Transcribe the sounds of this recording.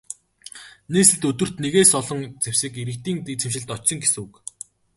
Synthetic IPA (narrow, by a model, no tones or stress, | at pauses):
neːsɘ̆ɮt̪ɵt̪ɵ̆r̥t̪neɣeːsɔɮɞ̆ŋt͡sæwʲsiːkiɾɘ̆k̚t̪iːŋt̪it͡sʰĕmʃɪ̆ɮt̪ɔt͡ɕsɪ̆ŋɡesuk